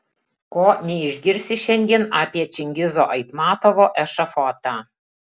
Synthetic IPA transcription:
koːnʲɛɪʒʲɡʲɪɾʲsʲɪʃʲɛŋʲd̪ʲiɛnaːpʲiɛt͡ʃʲɪŋʲɡʲɪzo̰ːʔɐɪt̪mɑːt̪oʋoːʔɛʃɐfɔːt̪ɑː

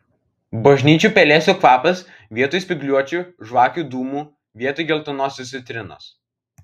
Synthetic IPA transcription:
bɐʒʲnʲiːt͡ʃʲuːˑpʲɛlʲeːsʲoːkʋɑːpɐs | ʋʲiɛt̪oːjsʲpʲɪɡlʲuɔt͡ʃʲuʒʋɑːkʲuːˑd̪uːmuː | ʋʲiɛt̪ɔjɡʲɛlˠt̪ʊnoːsʲʊsʲɪt̪ʲɾʲɪno̰ːs

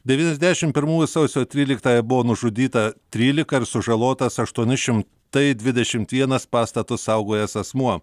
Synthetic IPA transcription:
d̪ʲɛʋʲiːnʲɛzʲd̪ʲæʃʲɪmpʲɪɾmuːjʊsɐʊsʲoːt̪ʲɾʲiːlʲɪkt̪ɑːjɛbʊʋoːnʊʒʊd̪ʲiːt̪ɐt̪ʲɾʲiːlʲɪkɐɪɾsʊʒɐlˠoːt̪ɐsɐʃt̪uɔnʲɪʃʲɪm | t̪ɐɪd̪ʲʋʲɪd̪ʲɛʃʲɪmt̪ʋʲiɛnɐspɑːst̪ɐt̪ʊssɐʊɡoːjɛsɐsmuɔ

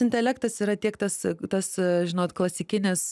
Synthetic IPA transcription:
ɪnʲt̪ʲɛlʲækt̪ɐsiːɾɐt̪ʲiɛkt̪ɐst̪ɐsʒʲɪnoːt̪klˠɐsʲɪkʲɪnʲɪs

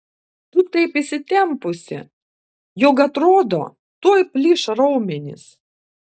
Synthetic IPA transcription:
t̪ʊt̪ɐɪpɪsʲɪt̪ʲɛmpʊsʲɪ̰ | joːkɐt̪ɾoːd̪o̰ː | t̪oːjpʲlʲɪʃɾɐʊmʲɛnʲɪ̰s

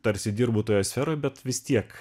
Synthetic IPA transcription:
t̪ɐɾʲsʲɪd̪ʲɪɾbuːt̪oːjoːsʲfʲɛɾoːjbʲɛt̪ʋʲɪst̪ʲiɛk

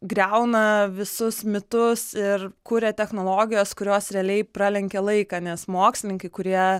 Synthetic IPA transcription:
ɡɾʲɛʊnɐʋʲɪsʊsmʲɪt̪ʊsɪrkuːɾʲɛt̪ʲɛxnoːlˠoːɡʲɪjoːskʊɾʲoːsɾʲɛɐlʲɛɪpɾɑlʲɛŋʲkʲɛlˠɐɪkɑːnʲɛsmoːksʲlʲɪnʲɪŋkɐɪkʊɾʲiɛ

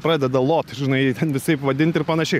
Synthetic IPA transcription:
pɾɑːdʲɛd̪ɐlˠoːt̪ʒʲɪnɐɪitʲɛnʋʲɪsɐɪpʋɐd̪ʲɪnʲt̪ʲɪɾpɐnɐʃʲɛɪ

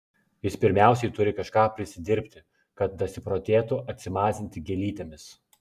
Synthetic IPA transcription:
jɪspʲɪɾʲmʲæˑʊsʲɛɪt̪ʊɾʲɪkɐʃkɑːpʲɾʲɪsʲɪd̪ʲɪɾʲpʲt̪ʲɪ | kɐt̪̚d̪ɐsʲɪpɾoːt̪ʲeːt̪ʊʔɐt̪ʲsʲɪmɑːzʲɪnʲt̪ʲɪɡʲɛlʲiːt̪ʲemʲɪs

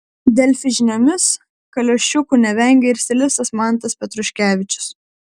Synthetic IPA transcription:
d̪ʲɛlʲfʲɪʒʲɪnʲoːmʲɪs | kɐlʲoːʃʲt͡ʃʲʊkuːnʲɛʋʲɛŋʲɡʲɛɪɾsʲɪlʲɪst̪ɐsmɑˑnˑt̪ɐspʲɛt̪ɾʊʃʲkʲæːʋʲɪt͡ʃʲʊ̥s

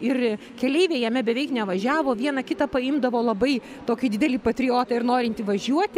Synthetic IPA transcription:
ɪr | kʲɛlʲɛɪʋʲeːjɛmʲɛbʲɛʋʲɛɪknʲɛʋɐʒʲæːʋoːʋʲiɛnɐkʲɪt̪ɐpɐɪmd̪ɐʋoːlˠɐbɐɪ | t̪oːkʲɪd̪ʲɪd̪ʲɛlʲiːpɐt̪ʲɾʲɪoːt̪ɐɪrnoːɾʲɪnʲt̪ʲiːʋɐʒʲuɔt̪ʲ

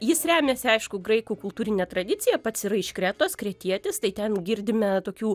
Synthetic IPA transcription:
jɪsɾʲæːmʲeːsʲɪɐɪʃkʊɡɾɐɪkuːkʊlˠt̪uːɾʲɪnʲɛt̪rɐd̪ʲɪt͡sʲɪjɛpɐt̪siɾɐɪʃkɾʲæːt̪oːskɾʲɛt̪ʲiɛt̪ʲɪst̪ɐɪtʲɛnɡʲɪrʲd̪ʲɪmʲɛt̪oːkʲuː

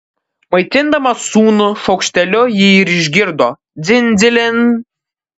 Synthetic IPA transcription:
mɐɪt̪ʲɪnd̪ɐmɐsuːnʊʃɐʊkʃʲt̪ʲɛlʲʊjɪɪɾɪʒʲɡʲɪɾd̪oː | zʲɪnʲzʲɪlʲɪn

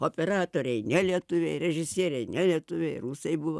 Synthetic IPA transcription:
oːpʲɛɾɑːt̪oːɾʲɛɪnʲɛlʲiɛt̪ʊʋʲɛɪɾʲɛʒʲɪsʲiɛɾʲɛɪnʲɛlʲiɛt̪ʊʋʲeɛɪruːsɐɪbʊʋo

